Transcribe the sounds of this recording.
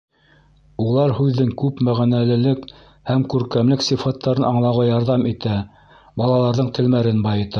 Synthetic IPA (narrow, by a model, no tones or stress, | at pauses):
ulˠɑɾhʉðːɘŋkʉpmæʁænælɘ̆lɘk | hæmkʉɾkæmlɘksifɑt̪ːɑɾɤnʔɑɴlˠɑʁɑjɑɾðɑmit̪æ | bɑlˠɑlˠɑɾðɤɴt̪ɘ̆lmæɾɘnbɑjɤ̆t̪ɑ